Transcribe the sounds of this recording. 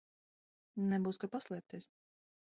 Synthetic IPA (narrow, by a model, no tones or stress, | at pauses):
nɛbuːskapaslˠɛp̚t̪ʲiɛs